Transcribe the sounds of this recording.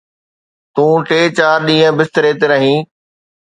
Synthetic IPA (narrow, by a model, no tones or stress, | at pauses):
t̪ũːʈeːt͡ɕaːɾɗĩːɦə̃bɪst̪ɪɾeːt̪eɾɐɦĩː